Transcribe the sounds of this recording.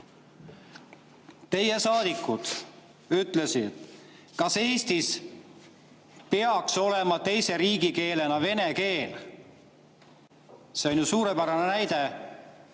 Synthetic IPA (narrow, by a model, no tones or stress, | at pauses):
t̪e̞je̞sɑːd̪̥ikːˑud̪̥ | yt̪ːˑle̞sid̪̥ | kɑse̞ːst̪is | peɑkso̞le̞mɑt̪e̞jse̞ɾiːɡike̞ːle̞nɑve̞ne̞ke̞ːl | seonʲjusuːɾepæɾɑnenæjd̪̥e̞